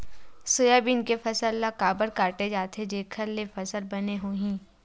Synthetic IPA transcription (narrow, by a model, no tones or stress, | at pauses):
sʊjabinkefʰɐsəlːakaːbəɾkaːʈed͡ʒaːt̪ʰed͡ʒeːkʰəɾlefʰɐsəlbɐneɦoːɦĩː